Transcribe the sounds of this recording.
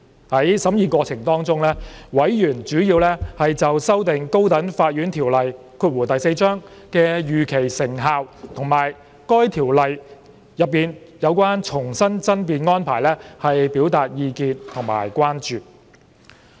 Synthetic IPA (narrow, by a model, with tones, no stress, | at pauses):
hɐ˨˥jsɐ˨˥mjiː˨˧kʷɔː˧t͡sʰɪ˨˩ŋt̪ɔː˥ŋt͡sʊ˥ŋlɛː˥wɐ˨˥jjyː˨˩nt͡ʃyː˨˥jiː˧wlɛː˥hɐ˨jt͡sɐ˨wsɐ˥wt̪ɪ˨ŋko˥wt̪ɐ˨˥ŋfaː˧t̚jyː˨˥nt̪ʰiː˨˩wlɐ˨j | kʰuː˧t̚wuː˨˩t̪ɐ˨jse˧jt͡ʃœː˥ŋkɛː˧jyː˨kʰe˨˩jsɪ˨˩ŋɦaː˨wt̪ʰʊ˨˩ŋmaː˨˩j | kɔː˥jt̪ʰiː˨˩wlɐ˨j | jɐ˨p̚ːiː˨˧njɐ˨˧wkʷaː˥nt͡ʃʰʊ˨˩ŋsɐ˥nt͡sɐ˥npiː˨˧nŋɔː˥npʰaː˨˩jlɛː˥hɐ˨jpiː˨˥wt̪aː˨˧t̚jiː˧kiː˧nt̪ʰʊ˨˩ŋma̰ː˨˩jkʷwaː˥nt͡ʃyː˨